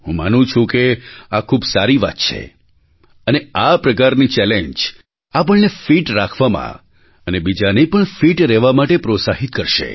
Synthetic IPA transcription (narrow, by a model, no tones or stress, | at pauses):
ɦũmanũt͡ʃʰũkeakʰubsaɾiʋa̰t̪̚t͡ʃʰḛ | əneapɾəkaɾnit͡ʃɛleɲd͡ʒ | ap̬əɳnefiʈɾakʰʋamã̰ | ənebid͡ʒanepəɳfiʈɾɛʋamaʈepɾot̪saɦit̪̚kəɾʃḛ